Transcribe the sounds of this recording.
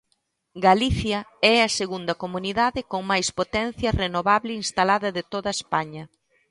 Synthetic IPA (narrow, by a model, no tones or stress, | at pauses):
ɡaliθjɐɛɐseɣund̪ɐkomuniðaðɪkoŋmajspot̪ɛn̟θjɐrenoβaβlɪinst̪alaðɐðɪt̪oðɐespaɲɐ